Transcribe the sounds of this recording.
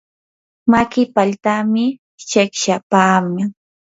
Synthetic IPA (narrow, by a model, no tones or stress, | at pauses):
makɪpaʎt̪amɪ | t͡ʃekʃapaːmaŋ